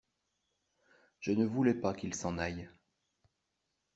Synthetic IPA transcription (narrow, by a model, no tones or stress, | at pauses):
ʒ̥ənəvulɛpakilsɑ̃naj